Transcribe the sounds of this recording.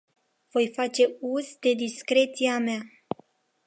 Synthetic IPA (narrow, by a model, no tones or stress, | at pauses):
v̥o̞jfat͡ʃe̞uzd̪e̞d̪iskɾe̞t̪siamea